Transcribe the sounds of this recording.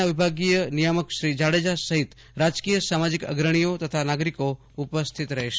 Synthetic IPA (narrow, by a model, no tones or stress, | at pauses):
aʋibʱaɡijənijəməkʃɾid͡ʒaɽed͡ʒasəɦit̪ | ɾad͡ʒkijəsamad͡ʒikə̰ɡɾəɽ̃ijot̪ət̪ʰanaɡɾiko | upəst̪ʰit̪ɾɐɦeʃe